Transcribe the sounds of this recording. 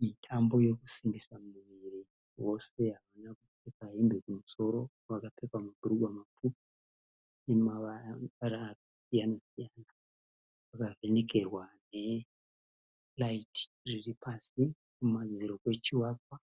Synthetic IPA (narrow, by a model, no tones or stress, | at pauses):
mitʰambo̞je̞ku̥simbisamuʋiri | wo̞se̞ɦaʋanakupekaɦimbekumuso̞ɾo̞ | ʋakapekwamabʱuruɡʱwamapupi̥ | emaaɾakasijanasijana | ʋakave̞ne̞ke̞rwane̞ | laitʰi̥riripʰasi | kumad͡ziɾo̞kwe̞t͡ʃiwakwa